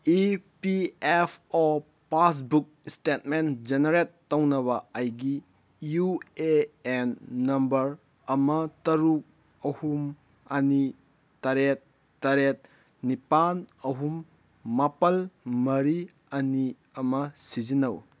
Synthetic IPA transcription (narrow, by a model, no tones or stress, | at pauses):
ipiepʰɔ | pas̬buk̚stet̚mend͡ʒenɐɾetːɐwnɐβɐːjɡi | jueenːɐmbɐɾ | ɐmɐtɐɾuk̚ | ɐhum | ɐni | tɐɾet̚ː | ɐɾet̚ | nipanɐɦumː | apɐlmɐɾi | ɐni | ɐmɐsizinɐw